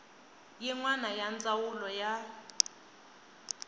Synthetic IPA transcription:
jiŋwanajant͡sʼawulɔja

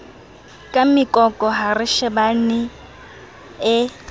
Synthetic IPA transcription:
kʼamɪkʼɔkʼɔɦarɪʃɛbanɪ | ɪ

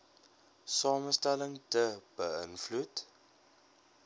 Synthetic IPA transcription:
sɑːməstæləŋtəb̥əənflut

